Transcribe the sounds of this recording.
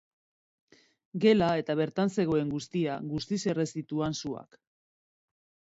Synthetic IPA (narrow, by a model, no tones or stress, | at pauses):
ɡe̞lae̞t̪aβe̞ɾt̪anse̞ɣ̞o̞e̞ŋɡust̪iaɡust̪ise̞re̞st̪it̪uansua̰k